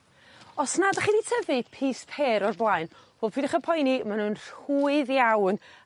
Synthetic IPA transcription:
ɔsnadəχiːnitʰəvɨpʰiːspʰeːɾɔrblˠajnvɔːlˠpʰidɪχəpʰɔjnimanuːnruːɨðjawn

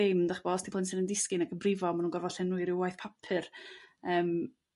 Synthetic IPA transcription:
emdaχb̥ɔstʰipʰlənsɪnəndɪskɨnaɡəbrɪvɔmanunŋɡɔrvɔɬɛnuːɨɾɪwajθpʰapʰɨrəːm

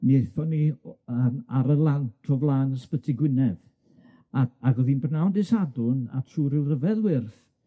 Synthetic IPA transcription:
neθɔniəːmaɾəlˠantʰɔvlˠaːnəspətʰɪɡwɪnɛð | aaɡɔðiːnbrnawndɪsadʊna̰tʰruːɾɪlˠrəvɛðwɪrθ

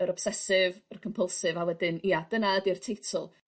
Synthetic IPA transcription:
əɾɔb̥sɛsɪvərkʰɔmpʰəlˠsɨvawɛdɪniːad̥ənaədirtʰejtʰʊlˠ

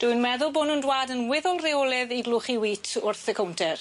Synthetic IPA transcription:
d̥ʊɨnmɛðʊlˠbʊnʊndwaːdənwɪðɔlˠreɔlˠɛðiɡlʊχiwiːtʰʊrθəkʰɔwntʰɛr

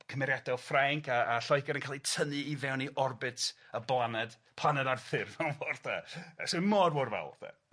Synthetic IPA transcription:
kʰəmɛɾjadɛlfraŋkaːɬɔjkɛɾənkʰalˠitʰənɨivɛwniʔɔrbɪtʰ | əblˠanɛd̥ | pʰlˠanɛdarθɪrvanvɔrθasomɔdworvɛ̰l̰ˠθa̰

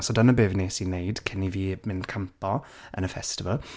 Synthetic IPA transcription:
sɔdanəbeːvneːsinejd̥kʰɪniviːmɪndkʰəmpɔ | ʔə̰nəfɛstɪvəlˠ

